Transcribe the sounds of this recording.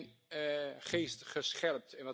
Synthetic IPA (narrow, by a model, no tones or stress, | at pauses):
n | χeːstχəsχɛlp̚tɪ̃nʋɔ